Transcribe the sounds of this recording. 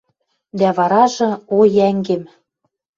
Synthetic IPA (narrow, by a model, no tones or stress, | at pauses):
d̪æβɑɾɑʒɤ̆ojæŋɡĕm